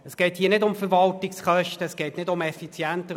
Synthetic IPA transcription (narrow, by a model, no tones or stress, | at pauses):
əsɡ̥ɛːthiːnɪdʊmfəɾvɑltɪksχœʃtəːsɡ̥ɛːtnɪdʊmɛfit͡sjæntə